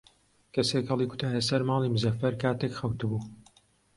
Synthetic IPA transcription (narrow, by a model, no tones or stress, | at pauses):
kɐseːkhɐlˠiːkʰʊ̥t̪ʰaːlɐsɐɾmaːlimuzɐfɐɾkaːt̪ekxɐwt̪ɨbuː